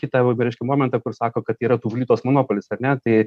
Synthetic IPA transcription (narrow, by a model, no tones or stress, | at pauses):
kʲɪt̪ɐɐɾɛɪʃʲkʲɛmoːmʲɛnt̪ɑkʊrsɑːkoːkɐt̪iːɾɐt̪uːʋʊlʲiːt̪oːsmonoːpolʲɪsɐrnʲɛt̪ɐɪ